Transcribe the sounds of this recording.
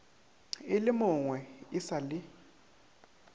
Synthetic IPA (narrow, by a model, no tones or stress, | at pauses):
ɪlɪmʊŋwɛɪsalɪ